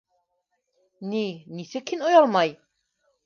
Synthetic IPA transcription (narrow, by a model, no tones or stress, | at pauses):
ninisɘkʰːinojɑlˠmɑj